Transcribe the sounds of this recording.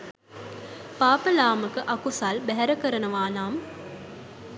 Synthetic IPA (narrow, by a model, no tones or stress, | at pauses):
paːpəlaːməkəʔakusalbæɦæɾəkəɾənəʋaːnaːm